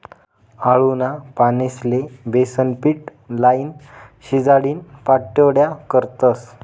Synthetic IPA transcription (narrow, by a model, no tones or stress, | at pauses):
aɭunapaneslebesənpiːʈ | lainɕid͡zaɽiːnpaʈːəɽjakəɾt̪əs